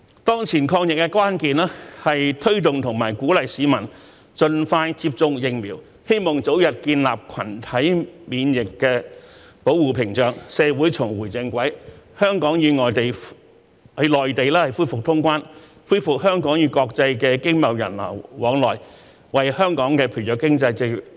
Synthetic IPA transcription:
t̪ɔː˥ŋt͡sʰiː˨˩nkʰɔː˧ŋjɪ˨k̚ːɛ˧kwaː˥nkiː˨nlɛː˥hɐ˨jt̪ʰɵ˥ɥt̪ʊ˨ŋt̪ʰʊ˨˩ŋmaː˨˩jkuː˨˥lɐ˨jsiː˨˧˥mɐ˨˩n | t͡ʃɵ˧nfaː˧jt͡siː˧p̚t͡sʊ˧ŋk̚jɪ˧ŋmiː˨˩w | he˥jmɔː˨ŋt͡so˨˥wjɐ˨t̚kiː˧nla̰ː˨p̚kʰɐ̰˨˩nt̪ʰɐ˨˥jmiː˨njɪ˨kːɛː˧ | po˨˥wːuː˨˩pʰɪ˨˩ŋt͡ʃœː˨˩ŋsɛː˨˧wuː˨˥jt͡sʰʊ˨˩ŋwuː˨˩jt͡sɪ˧ŋkʷɐ˨˥jhœː˥ŋkɔː˨˥ŋjyː˨˧ŋɔː˨˩jt̪e˨j | ɐ˨˧lɔː˨jt̪e˨jlɛː˥hɐ˨˩jfuː˥jfʊ˨k̚t̪ʰʊ˥ŋkʷaː˥n | fuː˥jfʊ˨k̚hœː˥ŋkɔː˨˥ŋjyː˨˧kɔː˧k̚t͡sɐ˧jkɛː˧kɪ˥ŋmɐ˨wjɐ̰˨˩nlɐ̰˨˩wwɔː˨˥ŋlɔː˨j | wɐ˨jhœː˥ŋkɔː˨˥ŋkɛː˧pʰy˨˩jɔː˨˩kɪ˥ŋt͡sɐ˧jt͡se˧

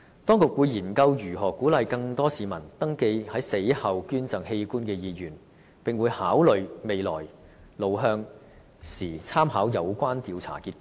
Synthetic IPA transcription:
t̪ɔː˥ŋkʊ˨k̚wuː˨˧jiː˨˩nkɐ˧wjyː˨˩ɦɔː˨˩kːuː˨˥lɐ˨jkɐ˧ŋt̪ɔː˥siː˨mɐ˨˩nt̪ɐ˥ŋke˧jhɐ˨˥jse˨˥jhɐ˨wkyː˥nt͡sɐ˨˩ŋhe˧jkuː˥nkɛː˧jiː˨˧jyː˨˩n | pɪ˨ŋwuː˨˧jhaː˨˥wlɵ˨ɥme˨jlɔ̰ː˨˩j | lo˨˧wɦœː˧ŋ | siː˨˩t͡sʰaː˥mɦaː˨˥wjɐ˨˧wkʷaː˥nt̪iː˨˧wt͡sʰa̰ː˨˩kiː˧t̚k

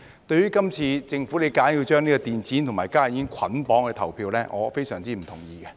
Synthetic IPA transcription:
t̪ɵ˧ɥyː˥kɐ˥mt͡sʰiː˧t͡sɪ˧ŋfuː˨˥le˨˧jkaː˨˥nji˧wt͡ʃœː˥ŋniː˥kɔː˧t̪iː˨nt͡sʰiː˨˥nt̪ʰʊ˨˩ŋmaː˨˩jkaː˥˩˨i˨˥nkʰɐ˨˥npɔː˨˥ŋkɛ˧t̪ʰɐ˨˩wpʰiː˧wlɛː˥ŋʔɔ̰ː˨˧fe˥jsœː˨˩ŋt͡siː˥m̩˨˩t̪ʰʊ˨˩ŋjiː˧kɛ˧

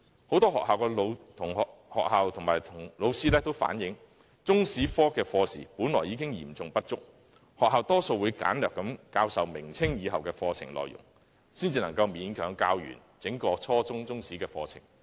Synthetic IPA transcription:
ho˨˥wt̪ɔː˥ɦɔ̰ː˨k̚haː˨wkɛː˧lo˨˧wt̪ʰʊ˨˩ŋː˨hɔː˨k̚ɦaː˨wt̪ʰʊ˨˩ŋmaː˨˩jt̪ʰʊ˨˩ŋlo˨˧wsiː˥lɛː˥t̪o˥wfa̰ː˨˥njɪ˨˥ŋ | t͡sʊ˥ŋsiː˨˥fɔː˥kɛː˧fɔː˧sḭː˨˩puː˨˥nlɔː˨˩jːiː˨˧kɪ˥ŋjḭː˨˩mt͡sʊ˨ŋpɐ˥t̚t͡sʊ˥k̚ | hɔː˨khaː˨wt̪ɔː˥so˧wuː˨˧jka̰ː˨˥nlœː˨kːɐ˨˥mkaː˧wsɐ˨wmɪ˨˩ŋt͡sʰɪ˥ŋjiː˨˧ɦɐ˨wkɛː˧fɔː˧t͡sʰɪ̰˨˩ŋlɔ̰ː˨jʊ̰˨˩ŋ | siː˥nt͡siː˧nɐ˨˩ŋkɐ˧wmiː˨˧˥nkʰœː˨˥ŋkaː˧wjy̰ː˨˩n | t͡sɪ˨˥ŋkɔː˧t͡sʰɔː˥t͡sʊ˥ŋt͡sʊ˥ŋsiː˨˥kɛː˧fɔː˧t͡sʰɪ̰˨˩ŋ

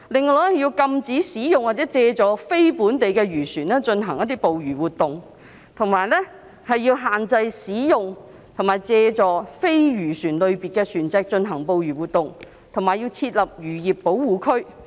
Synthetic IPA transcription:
lɪ˨ŋlɔː˨˩ɛ˥jiː˧wkɐ˧mt͡siː˨˥siː˨˥jʊ˨ŋwaː˨˩t͡sɛː˨˥t͡sɛː˧t͡sɔː˨˧fe˥jpuː˨˥nt̪e˨jkɛː˧ɥyː˨˩syː˨˩nɛː˥t͡ʃɵ˧nɦɐ˨˩ŋjɐ˥t̪i˥po˨wjyː˨˩wuː˨t̚t̪ʊ˨ŋ | t̪ʰʊ˨˩ŋmaː˨˩jlɛ˥ | hɐ˨jːiː˧wɦaː˨nt͡sɐ˧jsiː˨˥jʊ˨ŋ | t̪ʰʊ˨˩ŋmaː˨jt͡sɛː˧t͡sɔː˨˧fe˥jɥyː˨˩syː˨˩nlɵ˨˧ɥpi˨t̚kɛː˧syː˨˩nt͡sɛː˧k̚t͡ʃɵ˧nɦɐ˨˩ŋpo˨wjyː˨˩wuː˨˩t̪̚ʊ˨ŋ | t̪ʰʊ˨˩ŋmaː˨jiː˧wt͡sʰiː˧t̚lɐ˨p̚jyː˨˩jiː˨˩pːo˨˥wwuː˨kʰɵ˥ɥ

